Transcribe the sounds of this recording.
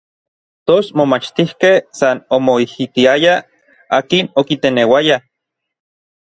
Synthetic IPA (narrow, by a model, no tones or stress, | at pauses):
t̪osmomat͡ʃt̪ihkehsanomoihit̪iaja | aːkinokit̪enewaja